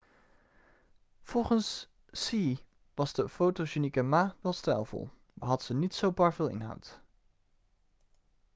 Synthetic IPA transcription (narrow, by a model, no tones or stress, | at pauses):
v̥ɔlˠχənsː | i | ʋɑzdəfowtoʒenikəmaːʋɛlˠstɛ̰jlˠvɔ̰lˠ | məɦɑtəsənitsowpɑɹvɪːlˠɪ̰nɦɑ̰wt